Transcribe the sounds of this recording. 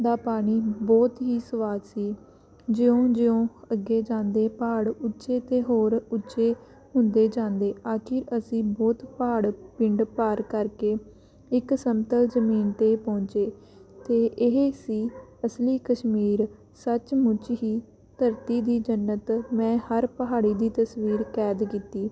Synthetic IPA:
d̪aːpaːɽ̃iːbɔːt̪ɦiːsəʋaːd͡ʒ̪siː | d͡ʒɪõːd͡ʒɪjõːəɡːeːd͡ʒãːnd̪eːpaːɽʊtːʃeːt̪eːɦoːɾʊtːt͡ʃeː | ɦʊ̃nd̪eːd͡ʒãːnd̪eːaːkʰɪɾəsĩːbɔːt̪paːɽpɪɳɖpaːɾkəɾkeː | ɪksəmt̪əlzəmiːnt̪eːpɔ̃ːɲt͡ʃeː | t̪eːʔɪɦesiːəsliːkəʃmiːɾ | sət͡ʃmʊt͡ʃɦiː | t̪əɾt̪iːd̪iːd͡ʒənːət̪mɛ̃ːhəɾpəɦaːɽiːd̪iːt̪əsʋiːɾkɛːd̪kiːt̪iː

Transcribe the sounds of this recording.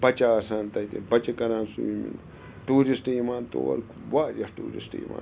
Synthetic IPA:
bɐt͡ʃaːsaːnt̪ɐit̪ebɐt͡ʃɐkɐɾãːnsuimḭn | ʈuːɾisʈimaːnt̪o̰ːɐ̰ɾwaːd͡ʒɐhʈṵːɾḭsʈḭmʔa̰ː

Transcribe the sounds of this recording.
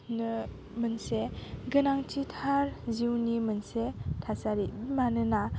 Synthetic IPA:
nɯ | mənseɡɯnaŋtʰitʰaɾziwnimɯnsetʰasaɾimanɯna

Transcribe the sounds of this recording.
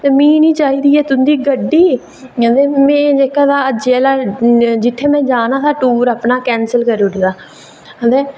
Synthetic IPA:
t̪eːmĩːnĩːt͡ʃaːiːd̪iːɛːt̪ʊnd̪iːɡəɖːiː | əd̪eːmɛ̃ːd͡ʒeːkãːd̪aːəd͡ʒeɛːlaːd͡ʒɪt̪ʰːeːmɛ̃ːd͡ʒaːnãːt̪aːʈuːɾəːpnaːkɛːnsəlkəɾʊɖd̪aː | əd̪eː

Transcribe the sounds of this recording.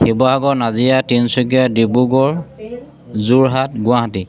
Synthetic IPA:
xibɔɦaɡɔnazijatinsukijadibuɡɔɹ | zuɹɦatɡʊ̃aɦati

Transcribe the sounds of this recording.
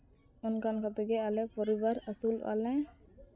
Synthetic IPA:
ɔnkankat̪ɔɡɛalɛpɔɾibaɾasul̰a̰lɛ̃

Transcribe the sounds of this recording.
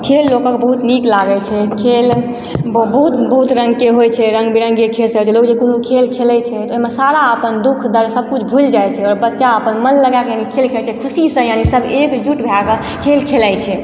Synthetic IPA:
kʰelːokɔ̃kbəɦut̪niklaɡɛt͡ʃʰɛkʰel | bbəɦut̪bəɦut̪ɾə̃ŋɡkeɦojt͡ʃʰɛɾə̃ŋɡbiɾəŋɡekʰelsə̃ɦot͡ʃʰɛlokd͡ʒekonukʰelkʰelɛt͡ʃʰɛt̪ɔoɦimesaɾaəpənd̪ukʰd̪ʱəɾsəb̚ʱkut͡ʃʰbʱuld͡ʒajt͡ʃʰɛɔɾbətːʃaəpənmənləɡakejanikʰelkʰelt͡ʃʰɛkʰusisə̃janisəbekd͡ʒuʈbʱeakə | kʰelkʰelajt͡ʃʰɛ

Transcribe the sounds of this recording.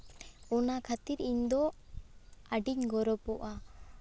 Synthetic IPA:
ɔnakʰat̪iɾiɲd̪ɔ | aɖiɲɡɔɾɔpɔʔa

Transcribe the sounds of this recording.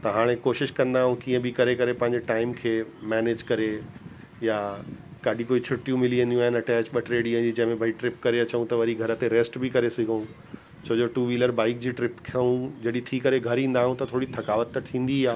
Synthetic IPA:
t̪ɐɦaːɽ̃ẽkoːʃɪʃkɐ̃nd̪aːɦũkiːə̃bʱɪkɐɾekɐɾepɐ̃ɦɪ̃ɲd͡ʑeʈaːɪmkʰeːmɛːneːd͡ʑkɐɾe | jakaːɖʱĩkoːit͡ɕʰʊʈːjũmɪliə̃nd̪jũaːɦɪnɐʈɛːt͡ɕɓɐʈɾeːɽiə̃d͡ʑid͡ʑɐ̃ɦɪ̃mẽbʱaiʈɾɪpkɐɾeɐt͡ɕəũt̪ɐʋɐɾiɡʱɐɾət̪eɾeːsʈbʱɪkɐɾesɪɡʱəũ | t͡ɕʰɐd͡ʑoʈuːʋiːləɾbaːɪk̚d͡ʑiːʈɾɪpkʰɐɦũd͡ʑɐɗit̪ʰiːkɐɾeɡʱɐɾĩːn̆d̪aːɦũt̪ɐt̪ʰoːɽit̪ʰɐkaːʋət̪ːɐʈt̪ʰːĩːn̆d̪iaː

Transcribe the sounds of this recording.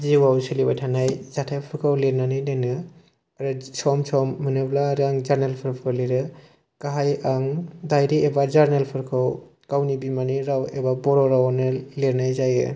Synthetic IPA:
ziwawsilibajtʰanajzatʰapʰɯɾkʰawleɾnanɯjnanɯ | aɾɯsɔmsɔmːɯnɯblaɾɯaŋzaɾnelpʰɯɾpʰɯɾliɾɯ | kaɦajaŋdajɾiebazaɾnelpʰɯɾkʰaw | ɡ̥awnibimaniɾawebabɔɾɔɾawnɯleɾnajzajɯ̰

